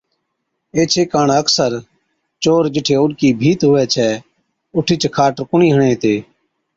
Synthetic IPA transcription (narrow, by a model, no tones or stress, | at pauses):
eːt͡ʃʰeːkaːɳəksəɾ | t͡ʃoːɾd͡ʒɪʈʰeːʊɗkiːbʱiːt̪ɦʊʋɛːt͡ʃʰɛː | ʊʈʰiːt͡ʃkʰaːʈɾkʊɳiːɦəɳeːt̪eː